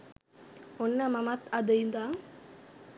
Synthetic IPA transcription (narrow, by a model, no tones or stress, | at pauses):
onːəmɐmɐt̪ɐd̪əjnd̪aːŋ